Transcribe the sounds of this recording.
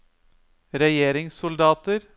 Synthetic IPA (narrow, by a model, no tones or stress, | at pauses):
ɾɛjeːɾɪŋsʊld̪ɑːt̪əɾ